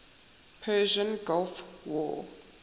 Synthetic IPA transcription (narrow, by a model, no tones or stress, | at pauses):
pʰɛʒə̃nɡɔlf | wɔ̰